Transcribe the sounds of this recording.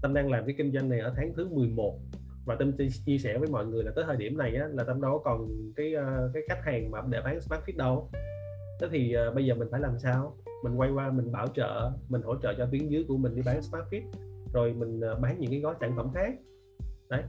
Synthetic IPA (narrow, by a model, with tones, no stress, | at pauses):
t̪ə˧mɗaː˧ŋlaː˨˩mka˨˦jkï˧ŋ̟zwa˧jŋ̟na˨˩jʔəː˧˩t̪ʰaː˨˦ŋt̪ʰɨ˨˦mɨ˨˩əjmo˨˩t̚ | vaː˨˩t̪e˧mt͡ɕt͡ɕi˧sɛ˧˩vəː˨˦jmɔ̰˧˨jŋɨ˨˩əjlaː˨˩əː˨˦jt̪ʰəː˧˩ɗi˧˩əmna˨˩jʔaː˨˦laː˨˩t͡ɕɔ˧wŋ͡mɗɔ˨˦kɔ˨˩nkaː˨˦jʔːkaː˨˦jxa˦˥jk̟̚haː˨˩ŋmaː˨˩ɗe˧˩ɓaː˨˦nsmaː˦˥t̚fi˦˥t̚ɗə˧w | t̪e˨˦˥t̪ʰi˨˩ʔəː˨˩ɓə˧jzəː˨˩mi̟˨˩faː˧˩laː˨˩msaː˧w | mï˨˩ŋ̟kwa˧jkwaː˧mï˨˩ŋ̟ɓaː˧˩wt͡ɕə̰ː˧˨mï˨˩ŋ̟ho̰˧˩t͡ɕə̰ː˧˨t͡ɕɔ˧t̪wi˨˦ənzɨ˨˦jku˧˩əmï̟˨˩ɗi˧ɓaː˨˦nsmaː˦˥t̚fi˦˥t̚zo˨˩jmï˨˩ŋ̟ː˨˩ɓaː˨˦nɲɨ̰˧˥ŋkaː˨˦jɣɔ˨˦saː˧˩ŋt̪ə̰˧˩ŋ͡mxaː˦˥k̚ | ʔə˨˦j